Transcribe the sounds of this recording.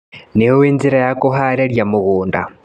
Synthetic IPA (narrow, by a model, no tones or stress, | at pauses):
nejoweːnziɾajakuɦaɾeɾjamuɣuːnda̰